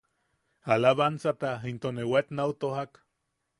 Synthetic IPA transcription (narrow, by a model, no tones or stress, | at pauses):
alaβansat̪aɦint̪onewet̪nawt̪ohak